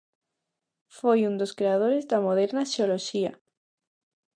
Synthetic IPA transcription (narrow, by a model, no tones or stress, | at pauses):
fojund̪oskɾeað̞oɾezðamoð̞eɾnaʃeoloʃia̰